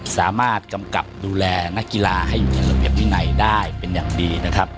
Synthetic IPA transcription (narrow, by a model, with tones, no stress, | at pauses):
saː˩˦maː˥˩t̪̚ka˧mka˨˩p̚duː˧lɛː˧na˦˥kːi˧laː˧ɦa˥˩jːuː˨˩na˧jɾla˧bi˨˩əp̚mi˦˥na˧˩jdaː˥˩jpe˧njaː˨˩ŋdiː˧na˦˥kʰa˦˥p̚